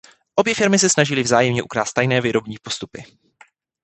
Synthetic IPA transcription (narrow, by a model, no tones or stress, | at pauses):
ʔo̞bjɛfɪɾmɪsɛsnaʒɪlɪvzaːjɛmɲɛʔukɾaːst̪ːajnɛːvɪɾo̞bɲiːpo̞st̪upɪ